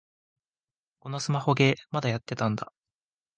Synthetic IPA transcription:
ko̞no̞sɨmaho̞ɡe̞mad̪ajat̪ːe̞t̪ãnd̪a

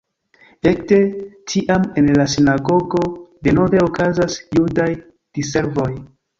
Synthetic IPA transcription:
e̞kte̞tʰiʔamenlasinaɡo̞ɡo̞de̞no̞ve̞okazasjudaj | d̥ise̞ɾvo̞j

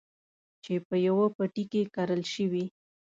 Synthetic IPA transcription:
t͡ʃepəjawapaʈikekaɾəlʃəwi

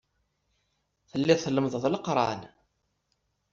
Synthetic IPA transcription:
θəlːɪθələmðˤəðˤləqɾˤɑ̰n

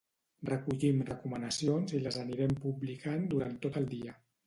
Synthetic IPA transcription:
rrəkuʎimrəkumənəsionziləzəniɾɛmpublikand̪uɾant̪ot̪əlˠd̪iə

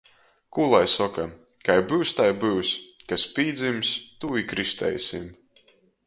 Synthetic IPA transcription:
kulˠajsɔka | kajbɨwsʲt̪ajbɨwskaspiːd̪zimsʲt̪uikɾisʲt̪ɛ̰jsʲḭm

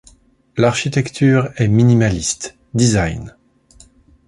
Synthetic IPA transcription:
laʁʃit̪ɛkt̪ʰyːʁɛminimalist̪ | d̪izajn

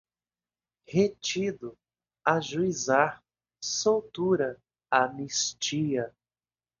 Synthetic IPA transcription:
het͡ʃid̪ʊ | aʒuizaɾ | sowt̪uɾɐ | amist͡ʃiɐ

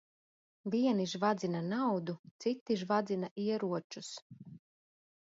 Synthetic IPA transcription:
viɛniʒvad̪zinanawd̪ut̪sit̪ːiʒvad̪zinaʔiɛɾuɔt͡ʃus

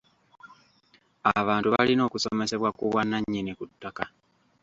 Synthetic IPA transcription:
aβaːntuβalino̞ːkusome̞se̞βwakuβwanːaɲːinikutːaka

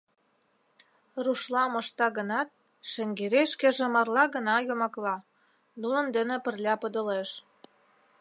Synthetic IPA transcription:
ruʃlɑmŏʃt̪ɑɣə̆nɑt̪̚ | ʃĕŋɡeɾeʃkĕʒĕmɑrlɑɣə̆nɑjomɑklɑ | nunə̆nd̪ənĕpə̆rlʲɑpə̆d̪ɤ̆leʃ

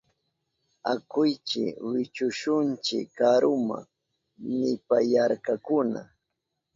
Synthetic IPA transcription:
akʊjt͡ʃɪ̰wɪt͡ʃʊʃʊnt͡ʃɪ̰kːaɾʊma̰ | nɪpajaɾkakʊna̰

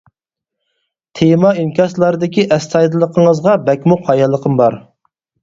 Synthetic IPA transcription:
t̪ʰemɑimkʲɑslˠɑɾɨd̪ɪkʲiʔɛst̪ʰɑjd̪ɨlˠəqʰəŋəzʁɑbɛkʲmuqʰɑjɑlˠːəqʰəmbɑɾ

